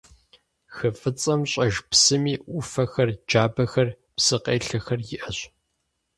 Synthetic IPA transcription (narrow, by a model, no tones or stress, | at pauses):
xɐfʼɨt͡sʼɐmɕʼɐʒpsɨmiːʔʷʊfɐxɐrd͡ʒaːbɐxɐr | psɨqeːɬɐxɐrjɪʔɐɕ